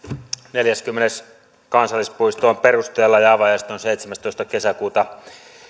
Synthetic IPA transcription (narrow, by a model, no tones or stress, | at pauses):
neljæskymːenes | kɑnsɑlːispuist̪oomperust̪eːlːɑjɑːʋɑjɑst̪onsejt̪semæst̪oist̪ɑkesækuːt̪ɑ